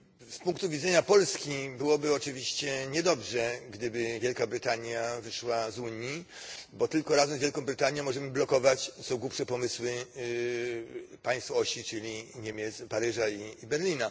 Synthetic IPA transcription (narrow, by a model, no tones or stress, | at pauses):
spuŋk̚t̪uvʲid̪zɛɲapɔlskʲibɘwɔbɘɔt͡ʂɘvʲiɕt͡ɕɛɲɛd̪ɔbʐɛɡd̪ɘbɘvʲjɛlkabɾɘt̪aɲjavɘʂwazuɲibɔt̪ɘlkɔɾazɛmzvjɛlkɔ̃w̃bɾɘt̪aɲjɛ̃mːɔʐɛmɘblɔkɔvat͡ɕsɔ̃w̃ɡwupʂɛpɔmɘswɘ | paj̃st̪fɔɔɕit͡ʂɘlʲiɲɛmʲjɛt̪spaɾɘʐaiːbɛɾlʲina